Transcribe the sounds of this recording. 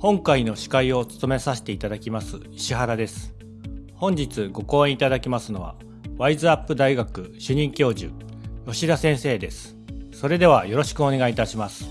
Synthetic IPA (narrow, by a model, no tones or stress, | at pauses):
hõ̞ŋkaino̞ɕi̥kaio̞t͡sɨ̥t̪o̞me̞saɕi̥t̪e̞it̪ad̪akʲimasɨ | iɕiɦaɾad̪e̞sɨ̥ | hõ̞ɲ̟d͡ʑit͡sɨɡo̞ko̞ːẽit̪ad̪akʲimasɨno̞βa̰ | βaizɨapːɯd̪aiɡakɯ̟ɕɨɲ̟ĩŋkʲo̞ːʑɨ̰ | jo̞ɕiɾasẽ̞ɰ̃se̞ːd̪e̞sɨ̥ | so̞ɾe̞d̪e̞β̞ajo̞ɾo̞ɕi̥kɯ̟o̞ne̞ɡait̪aɕimasɨ̥